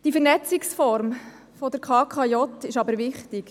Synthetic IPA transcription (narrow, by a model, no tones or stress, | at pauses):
d̥ifəɾnɛt͡sɪksfɔrm | fod̥əɾkʰɑːkʰɑjɔtɪʃɑbəɾʋɪχtɪk